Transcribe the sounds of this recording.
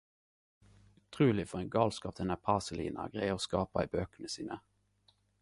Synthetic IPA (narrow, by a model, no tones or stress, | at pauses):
ʉt̪ʰʁʉːlɪfɔʁɛnɡɑːlskɑːpd̪ɛnæpʰɑsəlḭːnɑ̰ɡʁæoːskɑːpɑæɪbøːkənəsiːnə